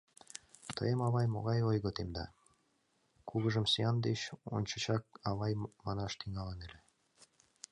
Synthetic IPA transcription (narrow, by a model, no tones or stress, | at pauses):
t̪ə̰jəmɑβɑjmoɣɑjojɣot̪emd̪ɑ̰ | kuɣɤ̆ʒəmsejɑnd̪eɕo̰nʲt͡ɕɤ̆t͡ɕɑk̚ɑβɑjmɑnɑʃt̪iŋɑlɤnele